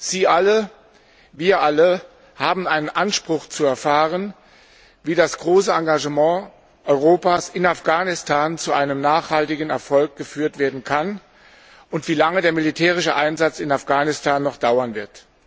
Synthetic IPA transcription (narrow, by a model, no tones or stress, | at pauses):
z̥iːʔalə | viːɐʔalə | haːbm̩aɪnənʔanʃpʁ̥ʊχt͡suɛɐfaːʁən | viːdasɡ̥ʁoːsəaŋɡaʒəmɑ̃ː | ʔɔʏʁ̞oːpaːsɪnafɡ̥aːnɪstʰaːnt͡suʔaɪnəmnaːχhaltɪɡn̩ɛɐfɔlk̚ɡ̥əfyːɐtv̥eːɐdn̩kʰan | ʊntv̥iːlaŋədeːɐmilitʰɛːʁɪʃəʔaɪnzat͡sɪnafɡ̥aːnɪstʰaːnːɔχd̥aʊɐnvɪɐt